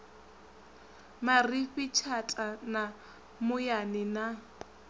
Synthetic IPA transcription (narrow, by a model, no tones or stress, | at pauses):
marifɪt͡ʃʰat͡ɬʼana | mʊjanɪna